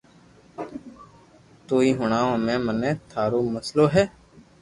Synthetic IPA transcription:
t̪oːiːɦʊɳ̃aːõːmẽːmənẽːt̪ʰaːɾoːməsloːɦɛː

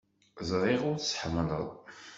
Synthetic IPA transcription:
zˤɾˤiʁʊɾsħmələ̰ðˤ

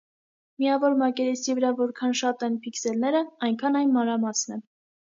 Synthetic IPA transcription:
mijɑvɔɾmɑkɛɾɛsivəɾɑvɔɾkʰɑnʃɑt̪ɛnpʰiksɛlnɛɾəɑjŋkʰɑnɑjnmɑnɾɑmɑsnɛ

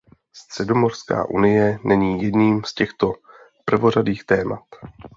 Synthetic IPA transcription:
st̪r̝̥ɛdo̞mo̞r̥ska̰ːʔṵnɪjɛnɛɲiːjɛdniːmscɛxt̪o̞ | pr̩vo̞ɾadiːxt̪ɛːma̰t̪

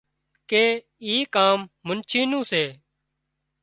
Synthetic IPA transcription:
keː | iːkaːmːʊnt͡ʃʰiːnũːseː

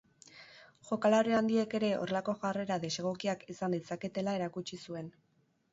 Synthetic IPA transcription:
ʝo̞kalaɾeand̪ie̞ke̞ɾe̞o̞̰ɾelako̞ʝare̞ɾaðese̞ɣo̞kiakisand̪it͡sake̞t̪e̞lae̞ɾakut͡ʃisue̞n

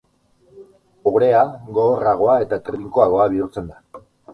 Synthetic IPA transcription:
oβɾe̞aɣoːraɣ̞o̞ae̞t̪at̪ɾiŋko̞aɣo̞aβiuɾt͡se̞nd̪a

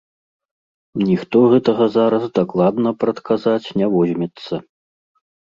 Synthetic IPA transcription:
nʲixt̪ɔɣɛt̪ɐɣɐzaɾɐzd̪aklˠad̪nɐpɾɐt̪kʰazat͡sʲnʲavɔzʲmʲɛt̪sːɐ

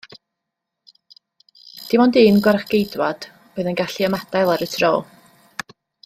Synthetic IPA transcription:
d̥imɔndiːnɡwaraχɡ̥ejdwad̥ | oɨðənɡaɬiəmadajlˠaɾətʰrɔː

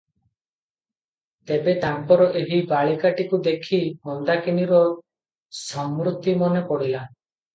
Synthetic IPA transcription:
t̪ebet̪ampɔɾɔʔeɦibaɭikaʈikud̪ekʰimɔnd̪akiniɾɔ | sɔmɾut̪imɔnepɔɽila

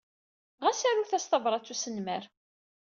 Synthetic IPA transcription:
ʁæsæɾuθæst̪ɑvɾˤɑt͡sːusənmæɾ

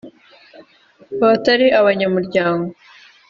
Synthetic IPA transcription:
βataɾiʔaβaɲamuɾɟaːŋɡo

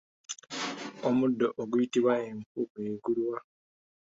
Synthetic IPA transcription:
omudːoʔoɡujitiβwaeɱfukeːɡulwa

